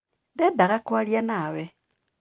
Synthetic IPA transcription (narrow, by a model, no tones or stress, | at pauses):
ndɛdaɣakwaljanawɛ